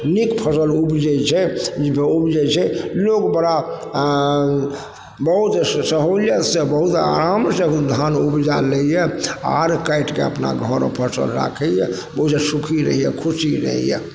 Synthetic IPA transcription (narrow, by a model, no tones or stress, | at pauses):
nikpʰəsəlubd͡ʒɛt͡ʃʰɛd͡ʒipʰeubd͡ʒɛt͡ʃʰɛloɡbəɾa | bəɦut̪səɦoljət̪sẽbəɦut̪a̰ɾamseud̪ʱanubd͡ʒaləjɛa̰ɾkaiʈkḛə̰pna̰ɡʱɔɾpʰəsə̰lɾa̰kʰɛjɛ | bəusesukʰiɾə̰ɦijɛkʰusiɾə̰ɦḭjɛ̰